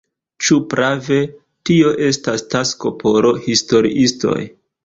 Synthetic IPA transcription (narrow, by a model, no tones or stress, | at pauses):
t͡ʃupɾʔave̞ | tio̞ʔe̞stastasko̞pʰo̞ɾo̞histo̞ɾḭʔisto̞̰j